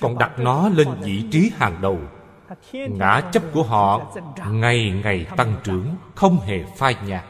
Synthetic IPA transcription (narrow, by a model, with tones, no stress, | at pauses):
kɔ˨˩nɗa˨˩t̚nɔ˨˦le˧nzḭ˧˥t͡ɕi˨˦haː˨˩ŋɗə˨˩w | ŋa̰ː˧˥t͡ɕə˦˥p̚ku˧˩əɦɔ̰˧˨ŋa˨˩jŋa˨˩jt̪a˧ŋt͡ɕɨ˧˩əŋxə˧wŋ͡mɦe˨˩faː˧jɲaː˨˩k̚